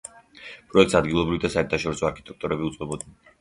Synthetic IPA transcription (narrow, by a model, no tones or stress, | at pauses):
pʼɾɔɛk̚t̪sad̪ɡilˠɔbɾivid̪asaɛɾt̪ʰaʃɔɾisɔaɾkʰi̥t̪ʼɛk̚ʰt̪ʼɔɾɛbiut̪sʼqʼɛbɔd̪nɛn